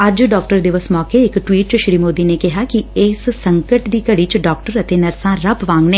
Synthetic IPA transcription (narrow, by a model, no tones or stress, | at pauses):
ɐd͡ʒɖɔːk̚ʈəɾd̪ɪʋəsmɔːkeɪkʈʋiːʈ̚t͡ʃʃɾiːmoːd̪iːneːkɪɦaːkiɪːsːəŋkəʈd̪iːkəɽiːt͡ʃɖɔːkʈəɾət̪eːnɐɾsãːɾɐbʋãːŋɡneː